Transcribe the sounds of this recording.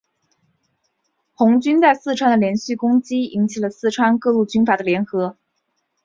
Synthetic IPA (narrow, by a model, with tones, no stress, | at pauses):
xʊ˧˥ŋt͡ɕy˥nt͡sa˥˧ɪsɹ̩˥˩ʈ͡ʂʰwa˥nd̪ə˨ljɛ˧˥nɕy˥˩kʊ˥ŋt͡ɕi˥i˧˥ŋt͡ɕʰi˨˩lə˦sɹ̩˥˩ʈ͡ʂʰwa˥nkɤ˥˧lu˥˩t͡ɕy˥nfa˨˩d̪ə˦ljɛ˧˥nxɤ˧˥